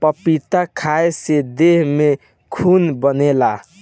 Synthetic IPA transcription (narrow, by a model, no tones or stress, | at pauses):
pəpit̪akʰaesed̪eɦme | kʰunbənela